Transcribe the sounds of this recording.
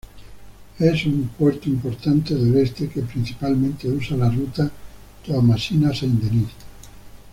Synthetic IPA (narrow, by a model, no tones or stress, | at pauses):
ɛsuŋpweɾt̪oimpoɾt̪ant̪eðelest̪ekepɾinθi̥palmẽnt̪eusalarut̪a | t̪oamasinaseind̪enis